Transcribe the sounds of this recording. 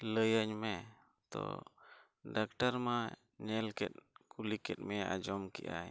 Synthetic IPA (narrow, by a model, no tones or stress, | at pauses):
ləjaɲmɛ | t̪ɔ̰ | ɖak̚ʈaɾma | ɲɛlkɛt̪̚kulikɛt̪̚mɛʔad͡ʒɔmkɛ̰ʔa̰j